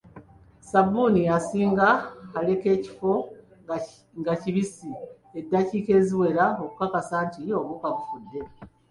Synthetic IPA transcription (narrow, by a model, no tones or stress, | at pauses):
sabunijasiːŋɡaːle̞ke̞ːci̥fo̞ | ŋɡaciβisi | edːaciːke̞ːziwe̞ɾao̞kukakasaːɲtio̞βukaβufudːe̞